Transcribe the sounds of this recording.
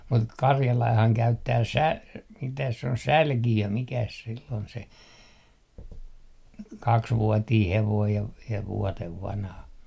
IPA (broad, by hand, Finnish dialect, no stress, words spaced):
mut kɑrjɑlɑihɑŋ kæytːæː sæ mitæs se on sælkiø mikæs silː ol se kɑksʋuotiː heʋoij jɑ ʋ jɑ ʋuoteʋ ʋɑnhɑ